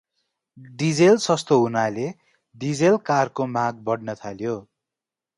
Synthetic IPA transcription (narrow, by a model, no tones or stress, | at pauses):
d̪id͡zelsʌst̪oɦunale | d̪id͡zelkarkomaɡ̚bʌɽnʌt̪ʰaljo